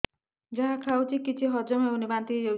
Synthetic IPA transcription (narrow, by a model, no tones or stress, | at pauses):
d͡ʒaɦãkʰawt͡ʃʰikit͡ʃʰiɦɔd͡ʒɔmɦeunibant̪id͡ʒew